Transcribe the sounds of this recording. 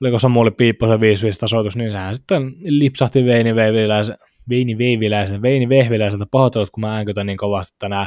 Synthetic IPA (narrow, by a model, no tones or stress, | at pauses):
likosɑmulippiːpːoseʋiːsʋist̪ɑsoˑt̪usniːnsehænsit̪ːenlipsɑht̪iʋeiniʋeʋilæise | ʋiːniʋeiʋilæˑiseʋeiniʋehʋilæˑiselt̪æpohot̪elut̪kumææˑŋkyøt̪æniːŋkoʋɑˑst̪i̥t̪ːænæːˑ